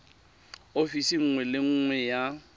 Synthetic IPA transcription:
ofisiŋ̩ŋwɛlɪŋ̩ːŋwɛja

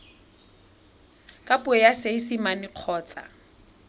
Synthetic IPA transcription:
kʼapʊɛjaseisimanɪq͡χʰɔːt͡sʼa̰

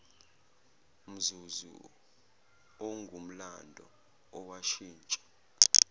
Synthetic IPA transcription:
m̩zuzṵ | ɔŋɡʱum̩landʱɔ̰ː | waʃiːnt͡ʃʼɔ̥

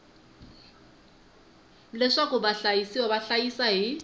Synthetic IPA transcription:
lɛʂakʊbaɬajisiwabaɬajisaɦi

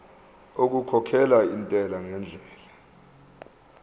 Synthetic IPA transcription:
ok̬ukʰɔkʰɛlaintʼɛlaŋɛnd͡ɮʱɛːla

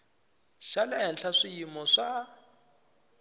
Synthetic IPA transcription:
ʃalɛɛnɬaʂijimɔʂa

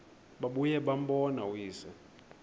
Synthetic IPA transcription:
ɓaɓujɛɓambɔnawiːsɛ

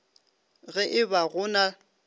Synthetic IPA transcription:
ɣɛʔɪbaɣʊna

